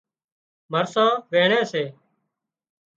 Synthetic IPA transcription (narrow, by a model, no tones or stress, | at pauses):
məɾsãːʋeːɳẽːseː